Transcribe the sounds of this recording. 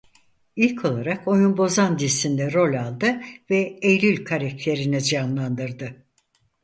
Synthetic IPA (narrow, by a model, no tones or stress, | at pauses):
ilʲcʰo̞lˠaɾako̞junbo̞zand̪isind̪ɛɾo̞lʲalˠd̪ɯvɛejlʲylʲkʰaɾak̚t̪ʰe̞ɾinid͡ʒanlˠand̪ɯɾd̪ɯ